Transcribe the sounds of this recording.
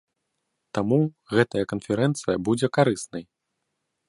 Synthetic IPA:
t̪amu | ɣɛt̪ɐjɐkɐnfʲɛɾɛnt̪sɨjɐbud͡zʲɛkaɾɨsnɐj

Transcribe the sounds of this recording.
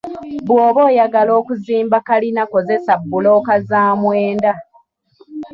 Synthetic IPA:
bwoːβo̞ːjaɡalo̞ːkuziːmbakalinako̞ze̞sabːulo̞ːkazaːmweːnda

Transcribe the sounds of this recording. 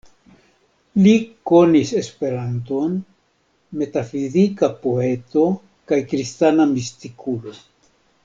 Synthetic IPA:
liko̞nise̞spe̞ɾanto̞n | me̞tafizikapo̞e̞to̞ | kajkɾistanamist̪ikʰulo̞

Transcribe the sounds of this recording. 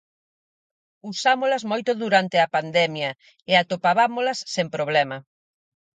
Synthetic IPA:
usamolɐzmojt̪ʊðuɾant̪ɪɐpand̪ɛmjɐ | eat̪opaβamolɐsːempɾoβ̞lɛmɐ

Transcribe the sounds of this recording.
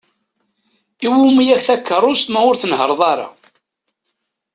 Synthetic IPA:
iwumijæçθækʰːərˤːʊsmæʊɾθənɦəɾˤðˤɑɾˤɑ̰

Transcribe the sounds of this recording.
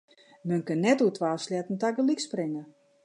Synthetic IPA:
mənkønːɛtutʰʋaːsljɛtn̩taɡəliksprɪŋə

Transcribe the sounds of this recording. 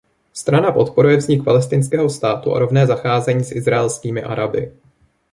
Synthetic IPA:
st̪ɾanapo̞t̪po̞ɾujɛvzɲɪk̚palɛst̪ɪnskɛːɦo̞st̪aːt̪uʔa̰ɾo̞vnɛːzaxaːzɛɲiːsʔɪzɾaɛlskiːmɪʔa̰ɾabɪ̰

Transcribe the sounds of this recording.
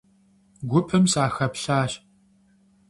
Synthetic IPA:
ɡʷʊpʰɨmsaːxɐpɬaːɕ

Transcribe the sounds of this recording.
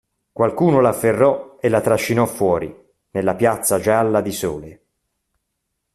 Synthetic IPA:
kwalkuːnolaːfːerːɔelːat̪ɾaʃːinɔfːwɔːɾḭ | nelːapjat̪sːad͡ʒalːad̪isɔːle

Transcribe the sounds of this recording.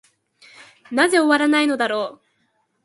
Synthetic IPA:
naze̞oβaɾanaino̞d̪aɾo̞ː

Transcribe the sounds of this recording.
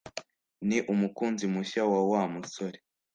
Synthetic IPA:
niʔumukuːnzimuɕawawamusoɾe

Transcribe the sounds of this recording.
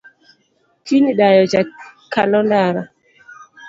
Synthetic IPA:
tiniɗajɔd͡ʒakːalɔndaːɾa

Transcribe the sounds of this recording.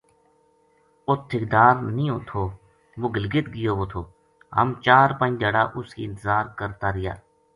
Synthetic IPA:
ʊt̪ʰːɪkd̪aːɾnĩːoːt̪ʰoː | ʋoːɡɪlɡɪt̪ɡɪjoːʋoːt̪ʰoː | ɦə̰mt͡ʃaːɾpə̃ɲd͡ʒaːɽaːʔʊskḭːɪnt̪əzaːɾkəɾt̪aːɾɪja̰ː

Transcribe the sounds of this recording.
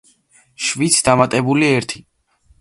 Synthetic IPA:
ʃvit̪sʰd̪amat̪ʼɛbuliɛɾt̪ʰi̥

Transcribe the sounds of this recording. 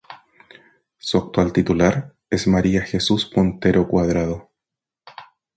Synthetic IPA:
suak̚t̪walt̪it̪ulaɾ | e̞smaɾiaxesuspont̪eɾo̞kwaðɾaðo

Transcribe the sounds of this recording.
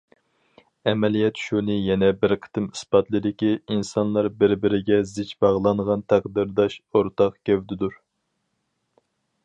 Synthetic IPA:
ɛmɛlijɛt̪ʃunɨjɛnɛbɪɾqʰə̥t̪ɨmɨspɑt̪lˠɨd̪ɪkʲiinsɑnlˠɑɾbɪɾbɪɾɪɡʲɛzɪt͡ʃbɑʁlˠɑɴʁɑnt̪ʰæqd̪ɨɾd̪ɑʃoɾt̪ɑqkʲʰɛwd̪ɪd̪uɾ

